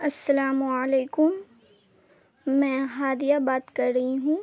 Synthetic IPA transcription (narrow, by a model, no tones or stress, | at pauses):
ɐsːɐlaːməleːkʊm | ɛ̃ːɦaːd̪ijabaːt̪kɐɾːɐɦiɦũː